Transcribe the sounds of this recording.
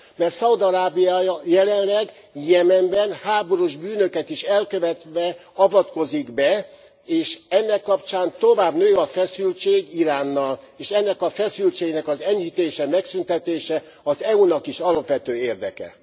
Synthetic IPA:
mɛrt̪sɒud̪ɒɾaːbijaːjɒjɛlɛnlɛɡ | jɛmɛmbɛnhaːbo̞ɾuʒbyːnø̞kɛt̪iʃɛlkøvɛt̪ʋɛɒvɒt̪ko̞ziɡbɛ | eːʃɛnːɛkːɒpt͡ʃaːnt̪o̞vaːbnøːɒfɛsylt͡ʃeːɡiɾaːnːɒl | eːʃɛnːɛkɒfɛsylt͡ʃeːɡnɛkɒzɛɲhit̪eːʃɛmɛksynt̪ɛt̪eːʃɛ | ɒzɛunɒkiʃɒlɒpʋɛt̪øːeːrd̪ɛkɛ̰

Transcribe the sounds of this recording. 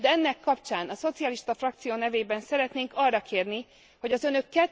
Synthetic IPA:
d̪ɛɛnːɛkːɒpt͡ʃaːnɒso̞t̪siɒliʃt̪ɒfrɒkt̪sijoːnɛveːbɛnsɛɾɛt̪neːŋkɒrːɒkʰeːrni | ho̞ɟɒzø̞nø̞kːɛt

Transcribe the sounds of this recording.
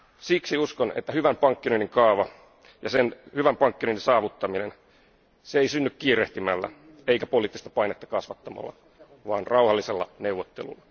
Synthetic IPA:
siksiuskonḛt̪ːæhyʋæmpɑŋkːinoiniŋkɑːʋɑ | jɑsenhyʋæmpɑŋkːinoininsɑːʋut̪ːɑminen | seeisynːykkiːɾeht̪imælːæ̰ | eikæpoliːt̪ːist̪ɑ̥pɑinet̪ːɑ̥kɑsʋɑt̪ːɑmɑ̰lːɑ̰ | ʋɑːnrɑuhɑlːiselːɑ̰neuʋːot̪ːḛlṵlːɑ

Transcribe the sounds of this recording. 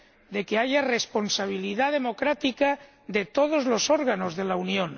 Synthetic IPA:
d̪e̞ke̞aʝare̞spo̞nsaβ̞iliðað̞e̞mo̞kɾat̪ika | ðe̞t̪o̞ð̞o̞zlo̞so̞ɾɣano̞zðe̞launjõn

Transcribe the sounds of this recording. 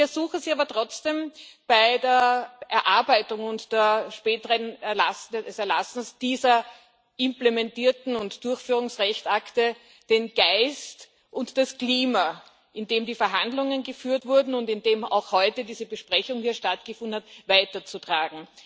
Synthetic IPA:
fɛɐzuːxziaːbɐtʁ̥ɔt͡sd̥eːmb̥aɪdeːɐʔɛɐʔaɐbæɪtʊŋʊntd̥eːɐʃpɛːtəʁənɛɐla̰sdɛdɛsɛɐla̰sn̩sd̥iːzɐ | ʔɪmplemɛntiːɐtn̩ʊntd̥ʊɐçfyːʁ̞ʊŋsʁɛçtaktə | d̥enɡ̥aɪst | ʔʊntd̥askliːma | ʔɪndeːmdiːfɛɐɦandlʊŋənɡəfyːɐtv̥ʊɐdn̩ʊntɪndeːma̰ʊxhɔʏtədiːzəbəʃpʁɛçʊŋhiːɐʃtatɡ̥əfʊndn̩hatvaɪtɐt͡sutʁ̥aːɡŋ̩

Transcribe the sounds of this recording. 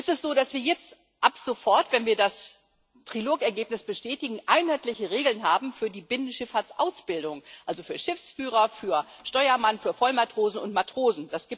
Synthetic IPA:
ʔɛstɛstz̥oːdasv̥iːɐjɛt͡st | ʔapz̥ofɔɐtv̥ɛnviːɐdas | tʁ̥iloːkɛɐɡeːpnɪsb̥əʃtɛːtɪɡŋ̩ʔaɪnhaɪtlɪçəʁeːɡl̩nɦaːbm̩fyːɐdiːbɪnənʃɪfhaɐtt͡sʔa̰ʊsb̥ɪldʊŋʔalzofyːɐʃɪfsfyːʁɐfyːɐ | ʃtɔʏɐmanfyːɐfɔlmatʁ̥oːzn̩ʊ̰ntmatʁ̥oːzn̩d̥asɡ̥i

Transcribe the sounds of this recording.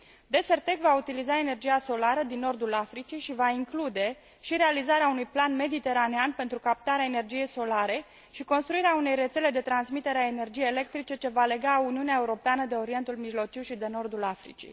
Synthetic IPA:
d̪e̞se̞rt̪e̞kvaut̪ilizae̞ne̞rd͡ʒijaso̞laɾəd̪inːo̞rd̪ulafɾit͡ʃiʃivaiŋklud̪e̞ | ʃiɾe̞alizaɾeaunujplanme̞d̪it̪e̞ɾaneanpe̞nt̪ɾukap̚t̪aɾeaene̞rd͡ʒije̞jso̞laɾe̞ | ʃiko̞nst̪ɾuiɾeaune̞jre̞t̪se̞le̞d̪e̞t̪ɾansmit̪e̞ɾeaene̞rd͡ʒijejele̞k̚t̪ɾit͡ʃe̞t͡ʃe̞vale̞ɡauniuneaeuɾo̞peanəd̪e̞o̞ɾie̞nt̪ulmiʒlo̞t͡ʃiwʃid̪e̞no̞rd̪ulafɾḭt͡ʃḭ

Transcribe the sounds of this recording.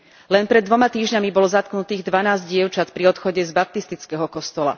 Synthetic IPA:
lɛnpɾɛd̪ːʋɔmat̪iːʒɲamibɔlɔzat̪knut̪iːɣd̪ʋanaːzɟɟɪɛʊt͡ʃat̪pɾiɔt̪xɔɟɛzbap̚t̪ist̪it͡skɛɦɔkɔst̪ɔla̰

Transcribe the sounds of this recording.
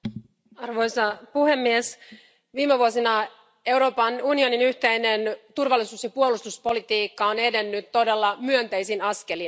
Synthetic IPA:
ɑrʋo̞jsɑpuhe̞mːies | ʋiːmeʋuosinɑ | e̞wɾo̞ːpɑnunio̞ninyht̪ejne̞nt̪urʋɑlːisuːsjɑpuolust̪uspo̞lit̪iːkːɑone̞de̞nːyt̪ːo̞de̞lːɑmyønt̪æjsinɑske̞lin

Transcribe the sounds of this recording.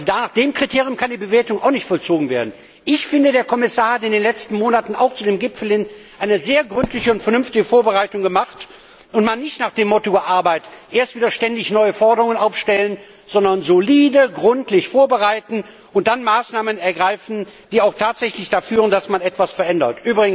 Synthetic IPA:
zodanaːχd̥eːmkʁ̥itʰeːʁjʊmkʰandiːbəveːɐtʊŋʔaʊxnɪçtfɔlt͡soːɡŋ̩veːɐdn̩ | ʔɪçfɪndədeːɐkʰɔmɪsaːɐhatɪndeːnlɛt͡stn̩moːnatn̩ʔa̰ʊxt͡sudeːmɡɪpfl̩ɪnʔaɪnəzeːɐɡʁʏntlɪçəʊntfɛɐnʏmftɪɡəfoːɐbəʁaɪtʊŋɡəmaχt | ʊntmanːɪçtnaːχd̥eːmːɔtoɐʔaɐbaɪtʔeːɐstv̥iːdɐʃtɛndɪçnɔʏəfɔɐdəʁʊŋənʔaʊfʃtɛlən | z̥ɔndɐnzoliːdəɡʁʏntʰlɪçfoːɐbəʁaɪtn̩ | ʊntd̥anmaːsnaːmənɛɐɡʁaɪfn̩d̥iːaʊxtʰaːtz̥ɛçlɪçd̥afyːʁəndasmanɛtv̥asfɛɐʔɛndɐ̰tʔyːbʁɪɡŋ̩

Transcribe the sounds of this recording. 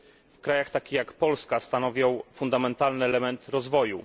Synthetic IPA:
fkɾajaxt̪akʲijakpɔlskast̪anɔvʲjɔ̃w̃fund̪amɛnt̪alnɘɛlɛmɛnt̪ɾɔzvɔjṵ

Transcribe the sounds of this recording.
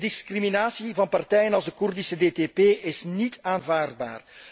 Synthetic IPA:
dɪskriminaːsivɑnpɑrtɛjənɑlˠzdəkurdisədeːteːpeːʔɪsnitaːnvaːrd̚ba̰ːr

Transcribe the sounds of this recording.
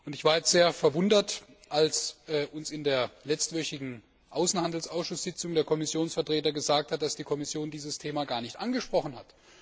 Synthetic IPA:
ʔʊntɪçv̥aːjɛt͡stz̥eːɐfɛɐvʊndɐt | ʔalsɛːʔʊnsɪndeːɐlɛt͡stv̥œçɪɡŋ̩ | ʔaʊsn̩handl̩saʊsʃʊsz̥ɪt͡sʊŋdeːɐkʰɔmɪsjoːnsfɛɐtʁ̥eːtɐɡəzaːk̚tʰhat̚d̥asd̥iːkʰɔmɪsjoːndiːzəstʰeːmaːɡaːɐnɪçtʔanɡəʃpʁ̥ɔχn̩hat

